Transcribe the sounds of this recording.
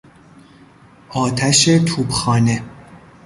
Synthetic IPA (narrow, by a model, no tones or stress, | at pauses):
ʔɒːt̪ʰæʃet̪ʰuːbxɒːne